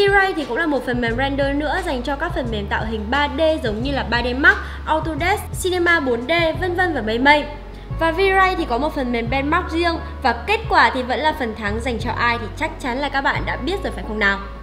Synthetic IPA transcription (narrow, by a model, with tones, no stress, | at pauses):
vi˧za˧jt̪ʰi˨˩kʊ̰˧˥ŋ͡mlaː˨˩mo˨˩t̚fə˨˩nmɛ˨˩mzɛ˧nɗəː˧nɨ̰˧˥əza˨˩jŋ̟t͡ɕɔ˧kaː˦˥k̚fə˨˩nme˨˩mt̪a̰ː˧˨wɦï˨˩ŋ̟ɓaː˧ɗe˧zə˨˦wŋ͡mɲɨ˧laː˨˩ɓaː˧ɗe˧ma˦˥k̚ | ʔɔ˧wt̪o˧ɗɛ˦˥ssi˧ne˧maː˧ɓo˨˦ənɗe˧və˧nvə˧nvaː˨˩mə˧jmə˧j | vaː˨˩vi˧za˧jt̪ʰi˨˩kɔ˨˦mo˨˩t̚fə˨˩nmɛ˨˩mɓɛ˧nma˦˥k̚zi˧əŋ | vaː˨˩ke˦˥t̚kwaː˧˩t̪ʰi˨˩və̰˧˥nlaː˨˩fə˨˩nt̪ʰa˨˦ŋza˨˩jŋ̟t͡ɕɔ˧ʔaː˧jt̪ʰi˨˩t͡ɕa˦˥k̚t͡ɕa˨˦nlaː˨˩kaː˦˥k̚ɓa̰ː˧˨nɗa̰ː˧˥ɓi˦˥ət̚zoː˨˩jfaː˧˩xə˧wŋ͡mnaː˨˩w